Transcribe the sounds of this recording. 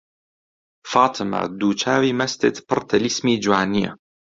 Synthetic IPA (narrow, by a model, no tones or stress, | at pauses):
faːt̪ʰɨma̰d̪uːt͡ʃaːwimɐst̪et̪pɨɾt̪ʰalismiːd͡ʒwaːnia̰